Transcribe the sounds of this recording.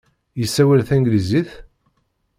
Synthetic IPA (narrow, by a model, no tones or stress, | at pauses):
jəsːæwælθæŋɡliziθ